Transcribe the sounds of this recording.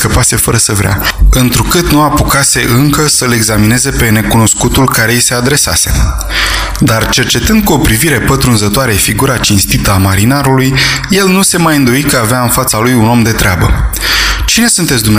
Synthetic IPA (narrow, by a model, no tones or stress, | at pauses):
kəpase̞fəɾəsəvɾea̰ɨnt̪ɾukɨt̪nuapukase̞ʔɨŋkəsəle̞ɡzamine̞ze̞pe̞ne̞kuno̞skut̪ulkaɾe̞ise̞ad̪ɾe̞sa̰se̞̰ | d̪art͡ʃe̞rt͡ʃe̞t̪ɨnd̪̚kuo̞pɾiviɾe̞pət̪ɾunzət̪oaɾefiɡuɾat͡ʃinst̪it̪əamaɾinaɾulujje̞lnuse̞majɨnd̪o̞ikəaveaɨnfat̪salujuno̞md̪e̞t̪ɾeabə | t͡ʃine̞sunt̪esʲd̪umn